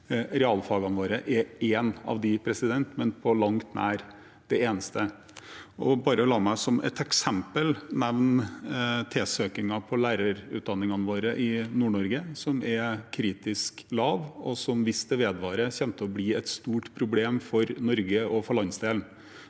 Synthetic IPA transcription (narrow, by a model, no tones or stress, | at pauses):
ɾɛɑlfɑɡɑnʋoːɾəʔɛeːnɑ̰ʋd̪ɪpʰɾɛsɪd̪ɛnt̪mɛnpʰɔlɑŋt̪næːɾ | d̪̥ɛeːnəst̪ʰə | ʔɔbɑːɾəɔlɑːmæɪsɔmɛ̰t̪ɛksɛmpəlnɛʋn | t̪ʰeːsøːkɪŋɑpʰɔlæːɾɑɾʉ̰t̪̚d̪ɑnːɪŋɑnʋoːɾəʔɪnuːɳɔɾɡəsɔmɛkʰːɾiːt̪ɪsklɑːʋɔsɔmʋɪst̪əʋeːd̪ʋɑːɾəçɛmt̪ʰəɔbliːɛt̪st̪uːʈpʰɾʊbleːmfɔɾnɔɾɡəʔɔfɔɭɑnsd̪eːln̩